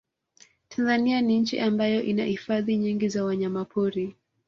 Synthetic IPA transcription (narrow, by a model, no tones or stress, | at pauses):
tʰanzanianiɲ̩t͡ʃḭʔambajɔʔinahifaðiɲiŋɡizawaɲamapʰuɾi